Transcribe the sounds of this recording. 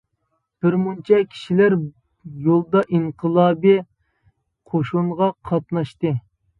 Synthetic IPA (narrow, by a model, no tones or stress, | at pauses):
b̥ɪɾmunt͡ʃʰɑkʲʰi̥ʃilæɾ | jolˠd̪ɑʔiɴqʰəlˠɑːbɨ | qʰoʃuɴʁɑqʰɑt̪̚nɑʃt̪ɨ